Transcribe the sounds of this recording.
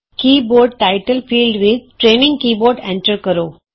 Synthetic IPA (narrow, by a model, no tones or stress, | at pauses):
kiːboːɾɖ̚ʈaɪʈəlfiːlɖʋɪd̪̚ʈɾeːnɪ̃ŋɡkiːboːɾɖɛ̃ɳʈəɾkɐɾoː